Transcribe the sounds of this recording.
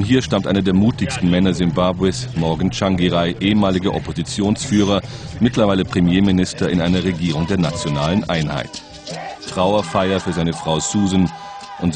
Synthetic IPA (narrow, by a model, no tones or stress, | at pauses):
nhiːɐʃtamtʔaɪnɐdeːɐmuːtɪçstn̩mɛnɐzɪmbaːbwɛsmɔɐɡn̩t͡ʃaŋɡiʁaɪʔeːəmaːlɪɡəʔɔpozit͡sjoːnsfyːʁ̞ɐ | mɪtlɐvaɪləpʁ̥emjeːmɪnɪstɐɪnʔaɪnɐʁeɡiːʁ̞ʊŋdeːɐnat͡sjonaːlənʔaɪnha̰ɪt | tʁ̥aʊɐfaɪɐfyːɐzaɪnəfʁ̥aʊsuːzn̩ | ʔʊntz